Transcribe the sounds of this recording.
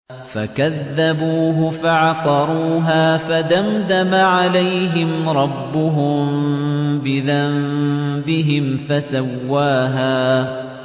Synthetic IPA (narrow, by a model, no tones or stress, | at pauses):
fakaðːabuːɦʊfaʕɑt̪ɑɾˤuːɦaːfad̪amðamaʕalajɦɪmɾˤɑbːʊɦʊm | bɪðambɪɦɪmfasawːaːɦaː